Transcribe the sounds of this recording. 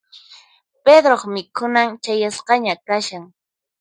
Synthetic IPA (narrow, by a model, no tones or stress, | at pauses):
ped̪ɾoχmɪkʰʊnaŋt͡ʃajasqɑɲakaʃaŋ